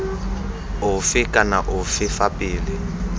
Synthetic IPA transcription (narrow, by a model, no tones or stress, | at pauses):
ʊfɪkʼana̰ʔʊfɪfapʼiːlɪ